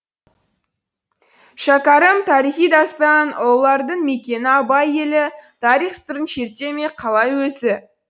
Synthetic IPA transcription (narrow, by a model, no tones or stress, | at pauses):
ʃɑkɑɾəmt̪ʰɑɾijχijd̪ɑst̪ɑnolˠɑɾd̪əɴme̞kʲe̞nɪɑbɑje̞lɪt̪ʰɑɾijχst̪əɾənʃe̞ɾt̪e̞me̞qʰɑlˠɑjwɵsɪ